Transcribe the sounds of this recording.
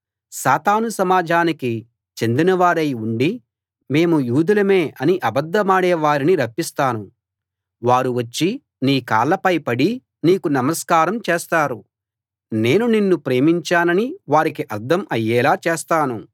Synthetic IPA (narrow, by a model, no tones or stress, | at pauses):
saːt̪aːnusɐmaːd͡ʒʱaːniki | t͡ʃe̞nd̪inɐʋaːɾɐjuɳɖi | me̞ːmujuːd̪ulɐmeːɐniʔɐbɐd̪ːɐmaːɽɛːʋaːɾiniɾɐpːist̪aːnu | ʋaːɾuʋɐt͡ʃːi | niːka̰ːlːɐpɐjpɐɽi | niːkunɐmɐskaːɾɐmt͡ʃeːst̪aːɾu | ne̞ːnuninːupɾe̞ːmiɲt͡ʃaːnɐniʋaːɾikiʔɐɾd̪ʱɐmɐjːɛːlaːt͡ʃeɛːst̪aːnu